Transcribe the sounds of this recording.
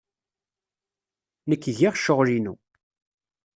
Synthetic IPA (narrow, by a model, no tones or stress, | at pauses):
nəkːʝiʁʃəʁlinṵ